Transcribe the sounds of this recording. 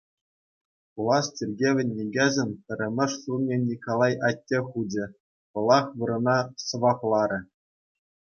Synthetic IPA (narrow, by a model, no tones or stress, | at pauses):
pulˠɑstʲirʲɡʲeʋʲɘ̆nʲːeɡʲezʲɘ̆mʲpʲɘ̆ɾʲɘ̆mʲɘ̆ʂsurnʲenʲikolˠɑjɑtʲːexud͡ʑʲɘ̆ | pɤ̆lˠɑχʋɯɾɤ̆nɑsɤ̆ʋɑplˠɑɾʲɘ̆